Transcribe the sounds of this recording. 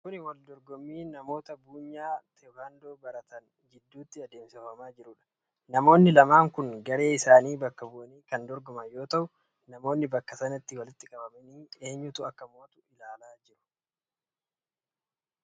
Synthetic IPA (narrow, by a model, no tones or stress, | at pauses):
kʊnɪwɐld̪ɔɾɡɔmːiːnɐmo̞ːt̪ɐbuːɲːaːt̪ʰɛhɐnd̪o̞ːbɐɾɐt̪ɐn | d͡ʒɪd̪ːuːt̪ːɪɐd̪eːmsɪfɐmaːd͡ʒɪɾʊᶑɐ̥ | nɐmo̞ːnːɪlɐmaːŋkʊŋɡɐɾe̞ːɪsaːniːbɐkːɐbʊʔɐniːkɐnd̪ɔɾɡɔmɐnjo̞ːt̪ɐʔʊ | nɐmo̞ːnːɪbɐkːɐsɐnɐt̪ːɪwɐlɪt̪ːɪkʼɐbɐmɐniːe̞ːɲːʊt̪ʊɐkːɐmo̞ːt̪ʊ̥ʔɪlaːlaːd͡ʒɪɾʊ̥